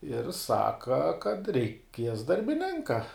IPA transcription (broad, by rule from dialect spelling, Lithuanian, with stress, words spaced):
ɪr ˈsɑːkɐ kɐt rʲɛɪˈkʲiɛs dɐrʲbʲɪˈnʲɪŋkɐ